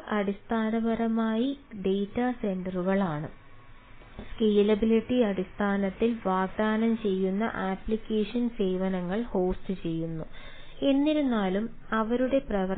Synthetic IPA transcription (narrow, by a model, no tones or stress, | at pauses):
ɐɽist̪ʰaːnɐbɐɾɐmaːjiɖe̞jtːɐsend̪ruɣɐɭaːɳɨ | ske̞ːlɐbiliʈːiɐɽist̪ʰaːnɐt̪ːilʋaːɡ̚d̪aːnɐmt͡ɕe̞jːunːɐ̰ʔaːplikʲːe̞ːʂɐnse̞ːʋɐnɐŋːɐɭho̞ːstɨt͡ɕe̞jːunːue̞nːiɾunːaːlum | ɐʋɐɾuɽe̞prɐʋɐ